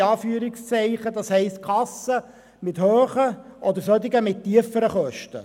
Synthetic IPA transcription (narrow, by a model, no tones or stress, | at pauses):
ɑːfyːəɾɪkst͡sɛɪχəd̥̪ɑshɛɪst̪̚kʰɑsə | mɪthøːχəʔɔd̪əɾsœt̪ɪɡəmɪt̚tːiəfəɾəχœʃtə̰